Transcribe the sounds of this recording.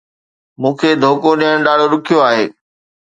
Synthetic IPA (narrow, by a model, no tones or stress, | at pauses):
mũːkʰeːd̪ʱoːkoɗijəɽ̃ɗaːɽ̤oɾʊkʰijoaːɦḛː